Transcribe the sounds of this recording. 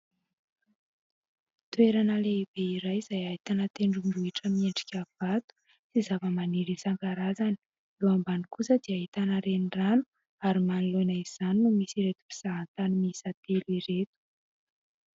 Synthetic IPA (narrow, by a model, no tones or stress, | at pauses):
t̪ueɾanəleib̥eiɾajizajaɦit̪anət̪eɳɖ͡ʐumbuiʈ͡ʂəmieɳɖ͡ʐi̥kʲav̥at̪u̥ | sizavəmaniɾisaŋɡaɾazani̥ | ewambanikusəd̪eaɦit̪anəɾeniranu | aɾimanilonaiz̥aninumisiɾet̪u̥pi̥z̥aɦant̪animiisat̪eliɾet̪u̥